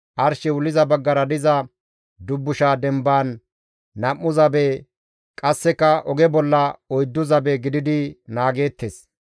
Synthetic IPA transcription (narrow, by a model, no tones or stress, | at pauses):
ʔɐɾʃɛwʊlːɪzɐbɐɡːɐɾɐd̪ɪzɐ | d̪ʊbːʊʃaːd̪ɛmbaːn | nɐmːʊzɐbe | kʼɐsːɛkːɐʔɔɡɛbɔlːɐɔjd̪ːʊzɐbeɡɪd̪ɪd̪ɪnaːɡe̞ːt̪ːeːs